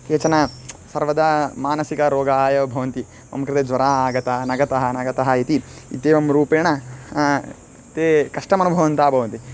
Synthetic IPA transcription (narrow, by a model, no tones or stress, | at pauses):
keːt͡ʃɐnɐsɐɾʋɐd̪ɐmaːnɐsikɐɾoːɡaːjɐʋɐbʱɐʋɐnt̪i | ʋɐ̰mɐkɾɐt̪eːd͡ʒʋɐɾaːaːɡɐt̪ɐnɐɡɐt̪ɐɦɐnɐɡɐt̪ɐɦɐit̪i | it̪eːʋɐmɾuːpeːɳɐ | t̪eːkɐʂʈɐmɐnubʱɐʋɐnt̪aːbʱɐʋɐnt̪i